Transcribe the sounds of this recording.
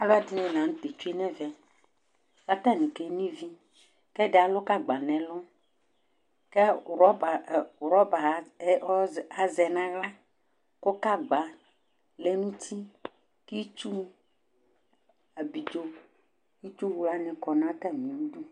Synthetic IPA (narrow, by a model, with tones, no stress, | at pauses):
a˨lo˦a˨di˦nɛ̃˨nã˨ŋũ˦t̪e˨t͡ʃu˦e˦nɛ̃˦vɛ˨ | ka˦t̪a˦˨nĩ˨ke˦nĩ˦vi˦ | kɛ˦ɖɛ˨a˨lɔ˦ka˦ɡ͡ba˨nɛ̃˨lɔ̃˦ | ke˦ɾɔ˦ba˨wɾɔ˦ba˨˦ɔ˦a˨zɛ˨nã˦la˦ | ko˦ka˦ɡ͡ba˨ | le˦nũ˦t̪ʰi˦ | ki˦t͡ʃu˦ | a˨bi˨do˦ | ki˦t͡ʃu˦wu˦˨la˦nɛ̃˨kɔ˨nã˦a˦t̪a˦˨mĩ˨nũ˦d̪u˦